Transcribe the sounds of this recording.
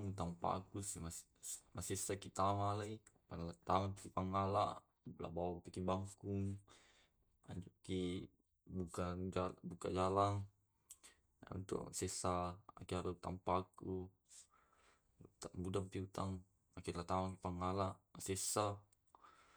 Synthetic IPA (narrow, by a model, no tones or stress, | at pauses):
ŋut̪ampa̰a̰kusimas | masesakit̪amalaipanlat̪amapkipaŋalaʔ | la̰bawapikibaŋkuŋ | a̰d͡ʒuki | bukaabukad͡ʒalaŋ | a̰ṵnt̪ṵsɛsaa̰kialat̪a̰mpaku | t̪aŋbudampiut̪aŋ | akilat̪amakipaŋalaʔasesa